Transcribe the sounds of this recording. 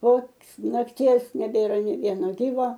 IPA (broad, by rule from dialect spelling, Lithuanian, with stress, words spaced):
poː nɐkˈtʲiɛs nʲɛˈbʲeːrɐ nʲeː ˈʋʲiɛnoː ˈɡʲiːʋoː